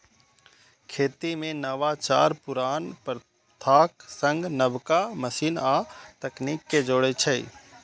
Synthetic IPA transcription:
kʰeːt̪imẽnəʋat͡ʃa̰ːɾpʊɾaːnpɾ | t̪ʰaːksə̃ŋɡnəbkaməsiːnaːt̪ɐkniːkːed͡ʒoːɽet͡ʃʰəḭ

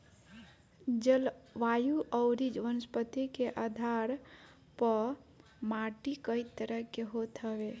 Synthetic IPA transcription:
d͡ʒəlʋajuʔəwɾid͡ʒʋənəspət̪ikeʔad̪ʱaɾ | pə | maʈikəjt̪ːəɾəɦkːeɦot̪ʰɦəbe

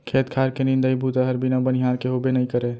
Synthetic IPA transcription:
kʰet̪kʰaɾkenind̪əjbut̪əɦəɾbinabən̤iɦaɾkeɦobenəjkəɾe

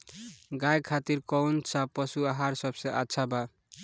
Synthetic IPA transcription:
ɡajkʰat̪iɾkʌwnt͡sʰʌpʌsuaɦaɾsʌbseʔaːsʰaba

